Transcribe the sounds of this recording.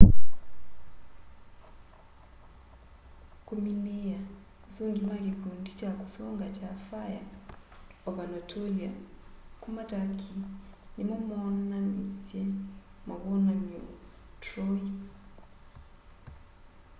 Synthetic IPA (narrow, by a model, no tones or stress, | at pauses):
kumineja | usoŋɡimakikundit͡ʃakusɔŋɡat͡ʃafaja̰ | ɔβanɔtʰɔliakumatakʰinimɔmananisjɛmaβɔnani | tɾɔi